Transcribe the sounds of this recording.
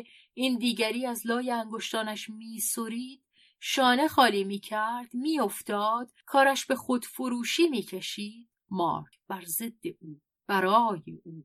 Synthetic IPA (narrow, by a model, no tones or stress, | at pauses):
iːnd̪iːɟæɾiːæzlɒːjeæŋɡo̞ʃt̪ɒːnæʃmiːsoɾiːd̪̥ | ʃɒːne̞xɒːliːmiːcʰæɾd̪̥miːo̞ft̪ɒːd̪̥kʰɒːɾæʃbe̞xod̪̥foɾuːʃiːmiːcʰeʃiːd̪̥̚mɒ̰ːɾkʰb̥æɾze̞d̪ːe̞ʔuː | b̥æɾɒːjeʔuː